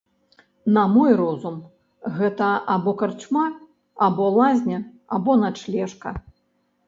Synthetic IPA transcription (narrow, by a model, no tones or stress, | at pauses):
nɐmɔjrɔzum | ɣɛt̪ɐʔabɔkart͡ʂma | abɔlˠazʲnʲɐ | abɔnat͡ʂlʲɛʂkɐ